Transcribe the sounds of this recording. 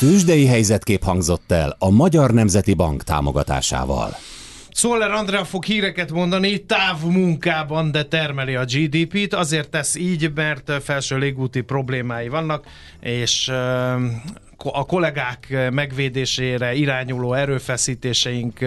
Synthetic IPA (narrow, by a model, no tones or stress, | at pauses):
kyʒd̪ɛjiɦɛjzɛt̪keːphɒŋɡzo̞t̪ːɛlɒmɒɟɒrnɛmzɛt̪ibɒ̰ŋkt̪a̰ːmoɡɒt̪a̰ːʃa̰ːvɒ̰l | soːlːɛɾɒnd̪ɾɛɒfo̞khiːɾɛkɛt̪mo̞nd̪ɒnit̪aːvmuŋkaːbɒnd̪ɛt̪ɛrmɛliɒd͡ʒiːd̪iːpiːt̪ɒzeːrt̪ːɛsiːɟmɛrt̪fɛlʃøːleːɡuːt̪ipro̞bleːmaːjivɒnːɒk | eːʃ | ɒko̞lɛɡaːkmɛɡʋeːd̪eːʃeːɾɛiɾaːɲuloːɛɾøːfɛsiːt̪eːʃɛjiŋk